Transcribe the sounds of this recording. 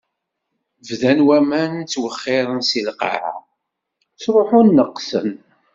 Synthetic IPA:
vðænwæmænt͡sːwəχːɪɾˤənsilqa̰ʕa̰ | t͡sɾˤoħʊnːəqːsə̰n

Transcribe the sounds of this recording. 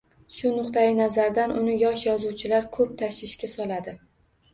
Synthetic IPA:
ʃʊnʊqt̪ajɪnazaɾd̪anʔʊnɪjɒʃjɒzuwt͡ʃʰɪlaɾkʰɵp̚t̪ʰaʃɪʃkʲasɒlˠad̪ɪ

